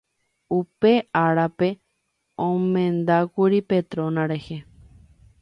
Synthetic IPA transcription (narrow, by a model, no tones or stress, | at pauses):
upe̞aɾape | õmẽnd̪akʷuɾipet̪ɾõnãɾehe